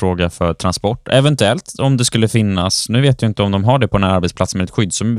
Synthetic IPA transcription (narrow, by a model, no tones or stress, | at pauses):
ɾoːɡafœɾʈ̪ʰɾanspɔʈːɛvɛnt̪ʉɛlt̪ɔmd̪ɛskɵlːəfɪnːasnʉ̟ːveːt̪vɪjɪnt̪əɔmd̪ɔmɦaɖɛpʰɔɛnaɾbɛt̪splat̪smɛd̪ɛt̪ɧʏd̪ːsɔm